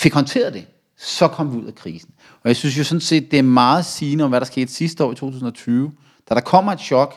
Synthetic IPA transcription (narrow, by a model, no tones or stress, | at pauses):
fe̝ɡ̥hɒ̽nt͡sʰe̝̰ːɐð̩ˠd̥e̝ | sɒ̽kʰɒ̽m̰ʋiuð̰ˠækʰʁiːsn̩ | ʔɒ̽jäɪsyns̬jo̝sɒ̽nse̝̰ːd̥̚ːe̝æɐmɑ̈ːð̞̩ˠsiːnəɒ̽mʋæɾ̥ɑ̈sɡ̥e̝̰ːd̥sisd̥əɒ̰ːit͡sʰo̝̰ːt͡sʰuːsn̩ɒt͡sʰyːʊ | d̥æɾ̥ɑ̈kʰɒ̽m̰ɐed̥ɕɒ̽ɡ̥